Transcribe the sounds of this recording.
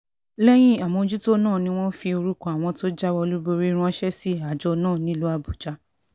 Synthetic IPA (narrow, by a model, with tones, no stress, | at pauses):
lɛ˦j̃ĩ˦a˨mɔ̃˧˦d͡ʒu˦to˦nãː˦˨nĩ˧˦w̃ɔ̃˦fi˧o˧ɾu˦kɔ˦˨a˨w̃ɔ̃˧to˦d͡ʒa˦wɔ˧lu˦bo˧ɾi˦ɾ̃ũ˦ɔ̃˦ʃɛ˦si˦a˦˨d͡ʒɔ˧nãː˦˨nĩ˦lu˦a˧bu˨d͡ʒa˨˦